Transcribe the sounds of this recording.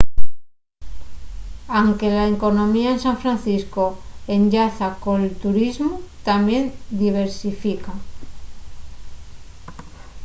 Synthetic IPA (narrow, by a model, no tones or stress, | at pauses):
aŋke̞laeko̞nõ̞miaensaɱfɾanθiskoe̞nʎaθako̞nelt̪uɾizmot̪amje̞nd̪iβ̞e̞ɾsifika